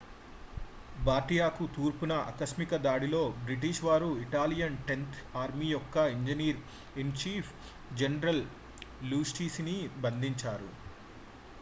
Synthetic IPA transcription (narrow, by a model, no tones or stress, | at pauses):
baːɾʈijaːkut̪uːɾpunɐʔɐ̰kɐsmikɐd̪aːɽilo̞ːbɾiʈ̬iʃʋaːɾuiʈaːlijɐnʈe̞nt̪ʰaːɾmiːjɔkːɐiɲd͡ʒɐniːɾ | ent͡ʃiːpʰ | d͡ʒenɐɾɐl | luːsʈiːsinibɐnd̪iɲt͡ʃaːɾṵ